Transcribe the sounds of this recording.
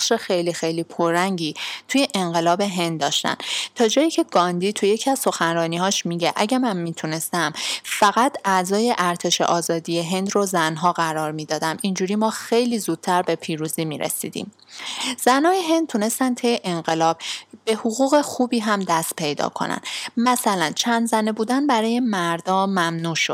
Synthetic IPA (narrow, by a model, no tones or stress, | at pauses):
ʃe̞xe̞jlixe̞jliːpʰoɾæŋɟiːt̪ʰuje̞ʔeŋɢe̞lɒːbe̞ɦe̞nd̪̚d̪ɒːʃt̪æ̰nt̪ʰɒːd͡ʒɒːjiːcʰe̞ɡɒnd̪iːt̪ʰuje̞cʰiæz̥so̞xænɾɒːniːɦɒːʃmiɟe̞ʔæɟæmænmiːt̪ʰune̞st̪æmfæɣæt̪ʰʔæzɒːje̞ʔæɾt̪ʰe̞ʃḛʔɒːzɒːd̪ije̞ɦe̞nd̪rozænɦɒːɣæɾɒːɾmiːd̪ɒːd̪æmʔind͡ʒuːɾiːmɒːxejliːzuːd̪̥̚t̪ʰæɾbe̞pʰiːɾuːziːmiːɾḛsḭːd̪ḭːm | z̥ænɒːjeɦe̞nd̪̚t̪ʰune̞st̪ænt̪ʰejeʔeŋɢe̞lɒːb̥̚be̞hoɣuːɣe̞xuːbiːɦæmd̪æst̪̚pʰe̞jd̪ɒ̰ːkʰo̞̰næ̰nmæsælænt͡ʃʰænd̪zænebuːd̪ænbæɾɒːje̞mæɾd̪ɒːmæmnuːʃod̪̥̚